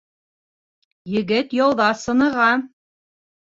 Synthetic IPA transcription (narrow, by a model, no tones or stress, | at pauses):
jɘ̆ɡɘt̪jɑwðɑsɤ̆nɤ̆ʁɑ